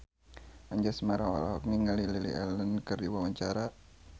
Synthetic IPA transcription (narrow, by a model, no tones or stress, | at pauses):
aɲd͡ʒasmaɾawa̰la̰ɦɔk̚niŋəlililiʔɛ̰lənkɨrdiwawaɲt͡ʃaɾa